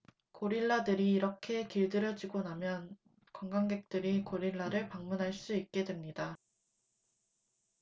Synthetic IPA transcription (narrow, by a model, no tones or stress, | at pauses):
koɾiɭːadɯɾiːɾʌkʰe̞kiɭdɯɾjʌd͡ʑiɡonamjʌn | kʌŋɡaŋɡe̞k̚t͈ɯɾikoɾiɭːaɾɯɭpaŋmunɦaɭs͈uik̚k͈e̞dwemɲida